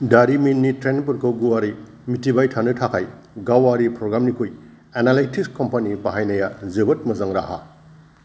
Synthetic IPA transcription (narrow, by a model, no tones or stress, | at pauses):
daɾiminːitɾenp̬uɾkʰowɡuaɾi | mitibajtʰanɯtʰakʰaj | ɡawaɾipɾoɡɾamnikʰuj | enalajtʰiskompɐnipaɦajnɐjazɯbɐt̚mɐzɐŋɾa̰ha̰